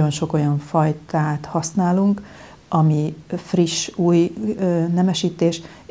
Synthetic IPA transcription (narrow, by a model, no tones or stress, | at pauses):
o̞nʃo̞ko̞jɒɱfɒjt̪aːt̪hɒsnaːluŋk | ɒmifriʃuːjnɛmɛʃiːt̪eːʃ